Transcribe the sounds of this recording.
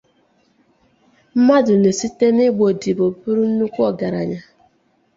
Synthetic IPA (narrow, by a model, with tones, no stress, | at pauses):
m̩˦ma˦dʊ˨ne˨si˦te˦nɪ˦ɡ͡bo˨di˨bo˨bu˦ɾu˦n̩˦nu˦kʷu˦ɔ˨ɡa˨ɾa̰˨ɲa˦